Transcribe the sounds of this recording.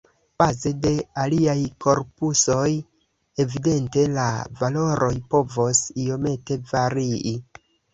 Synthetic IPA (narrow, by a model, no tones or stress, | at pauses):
b̥aze̞de̞aliajkʰo̞ɾpuso̞j | e̞vide̞nte̞la̰valo̞ɾʔo̞jpo̞vo̞sio̞me̞te̞vaɾii